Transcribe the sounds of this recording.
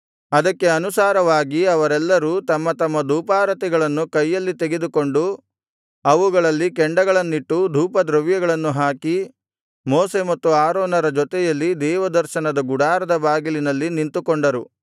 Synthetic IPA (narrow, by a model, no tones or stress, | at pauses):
ɐd̪ɐkːe̞ɐnusaːɾɐʋaːɡiɐʋɐɾɛlːɐɾuːt̪ɐmːɐt̪ɐmːɐd̪ʱuːpaːɾɐt̪ɛɡɐɭɐnːukɐjːɐlːit̪eɡe̞d̪uko̞ɳɖu | ɐʋuɡɐɭɐlːikɛɳɖɐɡɐɭɐnːiʈːud̪ʱuːpɐd̪ɾɐʋjɐɡɐɭɐnːuɦaːki | mɔːse̞mɐt̪ːuaːɾoːnɐɾɐd͡ʒɔt̪ɛjɐlːid̪ɛːʋɐd̪ɐɾʃɐnɐd̪ɐɡuɽaːɾɐd̪ɐbaːɡilinɐlːinint̪ukoɳɖɐɾu